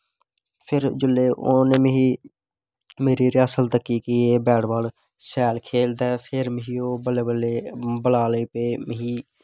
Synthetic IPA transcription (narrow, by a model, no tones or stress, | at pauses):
pʰɪɾd͡ʒʊleːʔoneːmɦiː | meːɾiːɾɪjaːsəlt̪əkːiːkiːeːbɛːɽbaːl | sɛːlkʰeːld̪ɛːpʰɪɾmɦiːoːbəleəlebəlaːliːpeːməɦiː